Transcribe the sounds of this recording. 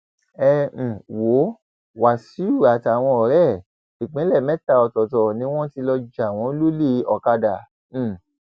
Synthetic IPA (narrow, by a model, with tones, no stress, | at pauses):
ɛ̃˧˨wo˨˦ | wa˨si˨˦u˦˨a˨ta˨w̃ɔ̃˧ɔ˨ɾɛ˦˨ | ʃi˨k͡pĩ˨˦lɛ˦˨mɛ̃˨˦ta˧ɔ˧tɔ˨tɔ˨nĩ˦w̃ɔ̃˦ti˧lɔ˧d͡ʒa˨w̃ɔ̃˨˦lu˦le˦˨ɔ˨ka˧dã˨